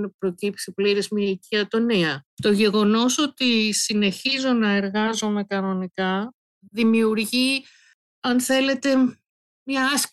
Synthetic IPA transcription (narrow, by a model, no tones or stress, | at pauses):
pɾo̞cipsipliɾizmiiciɐt̪o̞niɐt̪o̞ʝe̞ɣo̞no̞so̞t̪isine̞çizo̞nɐe̞ɾɣɐzo̞me̞kɐno̞nikɐ | ðimiuɾʝi | ɐnθe̞le̞t̪e̞ | mɲɐɐs